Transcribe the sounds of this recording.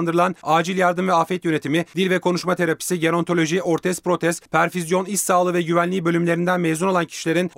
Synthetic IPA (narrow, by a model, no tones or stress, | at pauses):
nd̪ɯɾɯlˠanaːd͡ʒilʲjaɾd̪ɯmvɛafɛt̪jø̞ne̞t̪ʰimid̪ilʲvɛkʰo̞nuʃmat̪ʰe̞ɾapi̥siɟeɾo̞nt̪ʰo̞lʲo̞ʒio̞ɾt̪ʰɛspɾo̞t̪ʰɛspʰæɾfizjo̞nisaːlˠɯvɛɟyvænlʲiːbø̞lʲymlʲe̞ɾind̪ænmeːzuno̞lˠancʰi̥ʃilʲe̞ɾin